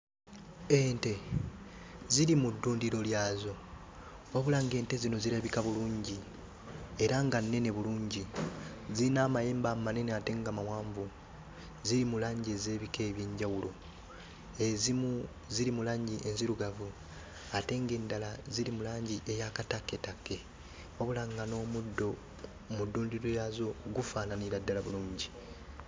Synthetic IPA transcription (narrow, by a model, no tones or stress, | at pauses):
eːnte̞ | ziɾimudːuːndiɾo̞ljaːzo̞ | oβulaŋɡe̞ːnte̞zino̞ziɾeβikaβuluːɲɟi | e̞ɾaŋɡanːe̞ne̞βuluːɲɟi | ziinaːmajeːmbamane̞neate̞ŋɡamawaːɱvu | ziɾimulaːɲɟie̞ze̞ːβike̞ːβjeːɲɟawulo̞ | ezimu | ziɾimulaːɲɟiʔenziɾuɡavu | ate̞ŋɡe̞ːndalaziɾimulaːɲɟiʔe̞jakatakːe̞takːe̞ | o̞βulaŋɡano̞ːmudːo | mudːuːndiɾejazo̞ɡufaːnaniɾadːalaβuluːɲɟi